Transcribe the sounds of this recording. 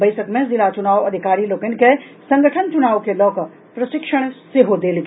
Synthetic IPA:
bɐɪsəkmẽzɪlat͡ʃʊnaːʋɐd̪ʱɪkaːɾiloːkənke | sɐ̃ŋɡəʈʰənt͡ʃʊnaːʋkelɔːkə | pɾɐʃɪkʃəɽ̃seɦod̪eːlɡ

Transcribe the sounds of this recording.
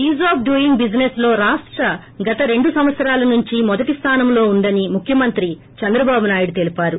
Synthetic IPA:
iːzaːp̚ɖujiŋɡbid͡ʒneslo̞ːɾaːʂʈɾɐ | ɡɐt̪ɐɾe̞ɳɖusɐm̃ʋɐt̪sɐɾaːlɐnuɲt͡ʃimɔd̪ɐʈist̪ʰaːnɐmlo̞ːund̪ɐnimukʰjɐmɐnt̪ɾi | t͡ʃɛnd̪ɾɐbaːbunaːjuɽut̪e̞lipaːɾu

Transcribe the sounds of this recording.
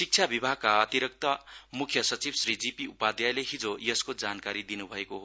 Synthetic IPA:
sik̚t͡sʰjabibʱaɡ̚kaʌt̪iɾʌk̚t̪ʌmukʰjʌsʌt͡sibsrid͡zipiupad̪jajleɦid͡zojʌskod͡zankaɾid̪inubʱʌekoɦo

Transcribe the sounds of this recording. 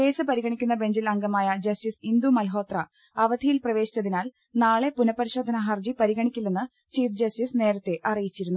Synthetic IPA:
ke̞ːsɨpɐɾiɣɐɳikʲːun̪ːɐbe̞ɲd͡ʑilɐŋɡɐmaːjɐd͡ʑɐstisind̪umɐlɦo̞ːt̪rɐ | ɐʋɐd̪ʱijilprɐʋe̞ːɕi̥t͡ɕːɐðinaːl | naːɭe̞punɐpːɐɾiɕo̞ːd̪ʱɐnɐɦɐrd͡ʑipɐɾiɣɐɳikʲːulːenːɨ | t͡ɕiːfd͡ʑɐstisne̞ːɾɐt̪ːe̞ʔɐrijit͡ɕːiɾunːu

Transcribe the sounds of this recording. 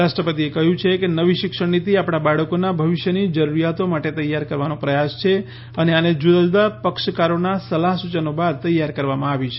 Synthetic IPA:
ɾaʃʈɾəpət̪iekəɦjũt͡ʃʰekenəʋiʃɪkʃəɳnit̪iapɽ̃abaɽəkonabʱəʋɪʃjənid͡ʒəɾuɾijat̪omaʈet̪əjːaɾkəɾʋanopɾəjast͡ʃʰe | əneaned͡ʒud̪ad͡ʒud̪apəkʃəkaɾonasəlaɦsut͡ʃənobad̪̚t̪əjːaɾkəɾʋamãaʋjũt͡ʃʰe̥

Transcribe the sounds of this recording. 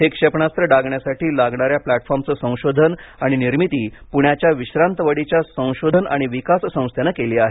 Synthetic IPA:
ɦekʂepɳast̪ɾəɖaɡɳjasaʈiːlaɡɳaɾjaplæʈfɔɾmt͡səsə̃w̃ɕod̪ʱənaɽ̃iniɾmit̪iːpuɳjat͡ɕjaʋiɕɾant̪əʋəɽit͡ɕjasə̃w̃ɕod̪ʱəna̰ɽ̃iʋikassə̃w̃st̪ʰjenakeliːaɦe

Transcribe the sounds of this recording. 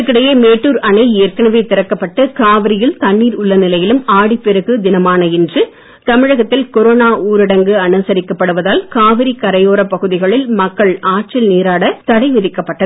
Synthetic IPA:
kːɪɽɐjemeːʈːuːɾɐnɐɪeːɾkɐnɐʋeːt̪ɪɾɐkːɐpːɐʈːɯkaːʋɪɾɪjɪlt̪ɐnːiːɾʊɭːɐnɪlɐjɪlɯmaːɽipːɛɾɯɣɯd̪ɪnɐmaːnɐɛndrɯ | t̪ɐmɪɻɐɣɐt̪ːɪlkɔɾoːnaːuːɾɪɽɐŋɡɯɐnɯsɐɾɪkːɐpːɐɽɯʋɐðaːlkaːʋɪɾikɐɾɐjoːɾɐpɐɣɯðɪɣɐɭɪlmɐkːɐɭaːʈ̚t͡ʃɪlneːɾaːɽɐt̪ɐɽɐɪʋɪðɪkːɐpːɐʈːɐð

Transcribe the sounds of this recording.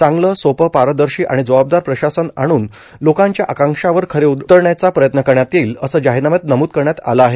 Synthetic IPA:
t͡sãŋɡləsopəpaɾəd̪əɾɕiːʔaɽ̃id͡zəʋab̚d̪aɾpɾəɕasənaɽ̃uːn | lokãɲt͡ɕjaʔakãŋkʂaʋəɾkʰəɾeut̪əɾɳjat͡sapɾəjət̪nəkəɾɳjat̪iːləsəːd͡ʑaɦinamət̪̚nəmuːt̪̚kəɾɳjat̪a̰laːɦe

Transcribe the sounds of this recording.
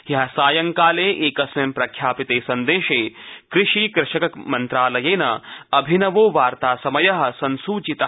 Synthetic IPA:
jɐɦɐsaːjɐŋkaːleːʔeːkɐsʋɐmpɾɐkʰjaːpit̪eːsɐnd̪eːʃeːkɾɪʃiːkɾɪʃɐkɐkmɐnt̪ɾaːlɐjeːnɐ̰ɐbʱinɐʋoːʋaːɾt̪aːsɐmɐjɐɦɐsɐnsuːt͡ʃit̪ɐ

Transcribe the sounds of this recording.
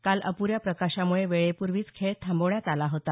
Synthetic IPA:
kaləpuɾjapɾəkaɕamuɭeʋeɭepuɾʋiːt͡skʰeɭt̪ʰːamboʋjat̪alaɦot̪a

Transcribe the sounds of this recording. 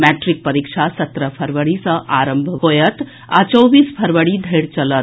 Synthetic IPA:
mæʈɾik̚pəɾikʂasət̪ɾəpʰəɾʋəɽisəʔaɾəmbʱɦojət̪ | a̰t͡ɕoʋiːspʰəɾʋəɽid̪ʱəjɽt͡ɕələt̪

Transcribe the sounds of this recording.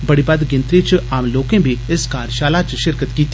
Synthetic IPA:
bɐɽibɐd̪ɡɪ̃nt̪ɾit͡ʃaːmloːkẽbʱiɪskaːɾʃaːlat͡ʃʃɪɾkət̪kiːt̪

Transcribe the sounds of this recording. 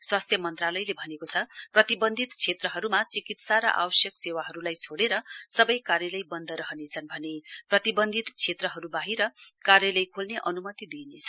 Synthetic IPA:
swast̪ʰjʌmʌnt̪ralʌjlebʱʌnekot͡sʰʌprʌt̪ibʌnd̪ʱit̪t͡sʰet̪rʌɦʌɾumat͡sikit̪saɾʌ̰ʔa̰wʌsjʌksewaɦʌɾulajt͡sʰoɽeɾʌsʌbʌjkarjʌlʌjbʌnd̪ʱʌɾʌɦʌnet͡sʰʌnbʱʌneprʌt̪ibʌnd̪ʱit̪t͡sʰet̪rʌɦʌɾubaɦiɾʌkarjʌlʌjkʰolneʔʌnumʌt̪id̪inet͡sʰʌ

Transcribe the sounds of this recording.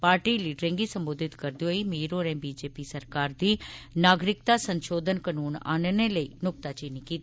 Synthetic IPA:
paːɾʈiːliːɖɾẽːŋɡisəmboːd̪ʱɪt̪kəɾd̪ioimiːɾoːɾɛ̃ːbiːd͡ʒeːpiːsəɾkaːɾd̪iːnaːɡɾɪk̚t̪aːsəɲʃoːd̪ʱənkənuːna̰ːnneləiːnʊk̚t̪at͡ʃiːnikiːt̪ː

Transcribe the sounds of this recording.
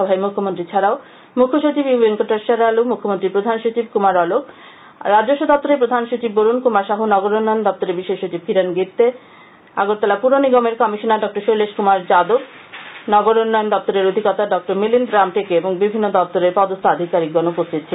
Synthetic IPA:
ɔbʱaemukʰːomont̪ɾit͡ɕʰaɾao | mukʰːoʃot͡ɕibjubeŋkoʈaɾʃaɾalumukʰːomont̪ɾipɾod̪ʱanʃot͡ɕibkumaɾɔlok | ɾad͡ʑoʃːod̪ɔp̚t̪oɾepɾod̪ʱanʃot͡ɕibːoɾunkumaɾʃaɦunɔɡoɾonːɔjond̪ɔp̚t̪oɾebiʃːeʃot͡ɕibkiɾanɡiɾt̪e | a̰ɡoɾt̪alapuɾoniɡɔmeɾkɔmiʃonaɖɔk̚ʈoɾʃojleʃkumaɾd͡ʑad̪ob | nɔɡoɾonːɔjond̪ɔp̚t̪oɾeɾod̪ʱiɡɔt̪aɖɔk̚ʈoɾmilind̪ɾamʈekeeboŋbibʱinːod̪ɔp̚t̪oɾeɾpɔd̪ost̪ʰaad̪ʱikaɾik̚ɡonupost̪ʰit̪̚ːɕʰe

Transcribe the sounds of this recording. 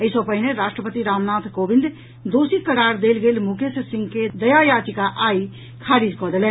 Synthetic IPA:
əisəbpəɦineɾasʈɾəpət̪iɾamnat̪ʰkobĩnd̪ | d̪osikəɾaɾd̪elɡelmukʰessĩŋɡked̪əjajat̪ikaʔai | kʰaɾid͡ʒkɔd̪elɛn

